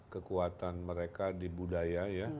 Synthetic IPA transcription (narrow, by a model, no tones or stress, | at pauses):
kəkuat̪anməɾekadibudajaja